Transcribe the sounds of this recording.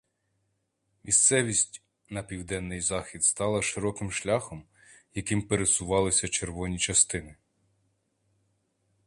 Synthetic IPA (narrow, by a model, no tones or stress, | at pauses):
mʲist̪sɛʋʲisʲtʲ | nɐpʲiwd̪ɛnːɪjzɑxʲid̪st̪ɑlˠɐʃɪɾɔkɪmʃlʲaxɔm | jɐkɪmpeɾesʊʋɑlˠɪsʲɐt͡ʃe̞rʋɔnʲit͡ʃɐst̪ɪnɪ